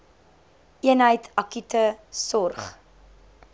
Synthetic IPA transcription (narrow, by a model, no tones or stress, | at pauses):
ʔiənɦəjtɐkytəsɔrχ